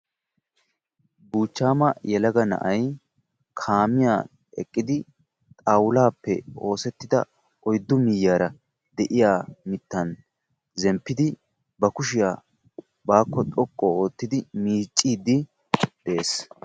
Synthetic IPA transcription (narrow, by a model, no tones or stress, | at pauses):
buːt͡ʃːaːmɐjɛlɐɡɐnɐ̰ʔɐj | kʰaːmɪjaː | ɛkʼːɪd̪ɪ | t̪ʼaːwʊlaːpːɛ̰o̞ːsɛt̪ːɪd̪ɐ̰ | ɔjd̪ːʊmɪjːaːɾɐ | d̪ɛʔɪjaːmɪt̪ːɐn | zɛmpːɪd̪ɪ | bɐkʊʃ̬ɪjaː | baːkːɔt̪ʼɔkʼːɔo̞ːt̪ːɪd̪ɪmiːt͡ʃʼːiːd̪ɪ | d̪̥eeːs